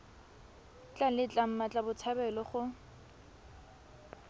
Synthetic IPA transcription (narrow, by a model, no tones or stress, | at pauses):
t͡ɬʼalɪt͡ɬʼam̩mat͡ɬʼabʊt͡sʰabɛlɔχʊ